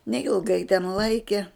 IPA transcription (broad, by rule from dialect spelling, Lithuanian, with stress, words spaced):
nʲɛɪlˠˈɡɐɪ tʲɛn ˈlˠɐɪkʲiɛ